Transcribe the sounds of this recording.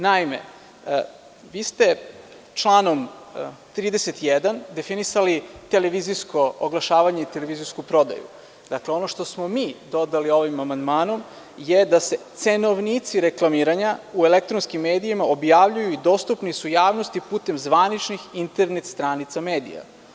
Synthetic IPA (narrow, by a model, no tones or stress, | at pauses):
naimḛ | ʋiːst̪e̞ | t͡ʃlˠaːno̞mt̪ɾiːd̪eset̪jed̪and̪e̞finisalit̪ele̞ʋiziskʰo̞oɡlˠaʃaːʋaɲe̞it̪eleʋizijskupɾo̞d̪a̰jṵ | d̪akleo̞no̞ʃt̪osmo̞miːd̪o̞d̪alio̞ʋimamand̪maːno̞m | jed̪aset̪se̞no̞ʋnit̪siɾe̞klˠamiːɾaɲaue̞lek̚t̪ɾonskimːe̞ːd̪iimaobjaːʋʎujuid̪o̞st̪upnisujaːʋnost̪ipuːt̪e̞mzʋanit͡ʃnixint̪e̞ɾne̞t̪st̪ɾanit̪sameːd̪ḭja̰